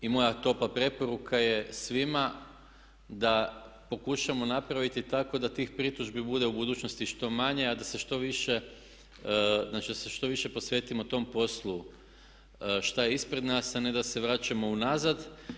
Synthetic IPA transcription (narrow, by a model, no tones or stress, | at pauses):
imo̞jat̪o̞plˠapɾe̞po̞ɾukʰaje̞sʋima | d̪apo̞kuʃamo̞napɾaʋit̪it̪ako̞d̪at̪iːxpɾit̪uʒbibud̪e̞ubud̪uːt͡ʃnost̪iʃt̪o̞maɲe̞ad̪ase̞ʃt̪o̞ʋiʃe̞ | znat͡ʃid̪aseʃt̪o̞ʋiʃe̞po̞sʋe̞ːt̪imot̪o̞mpo̞slˠu | ʃt̪ajeispɾe̞d̪nasaned̪ase̞ʋɾaːt͡ʃamo̞unazad̪